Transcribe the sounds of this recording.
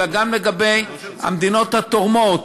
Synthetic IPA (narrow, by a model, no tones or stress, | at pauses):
aɡamleɡabe̞j | ha̰md̪ino̞t̪hat̪oʁmot̪